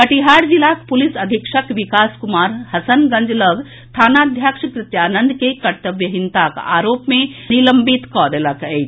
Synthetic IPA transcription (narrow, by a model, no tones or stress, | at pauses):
kəʈiɦaːɽd͡ʒilakpulisəd̪ʱikʃəkʋikaːskumaːɾhɐsənɡə̃nd͡ʒləɡ | t̪ʰaːnad̪ʱjakʂkɾɪt̪jaːnənd̪kekɐɾt̪əbjəɦint̪aka̰ːɾoːpmẽniləmbit̪kɔd̪eləkɛt͡ʃ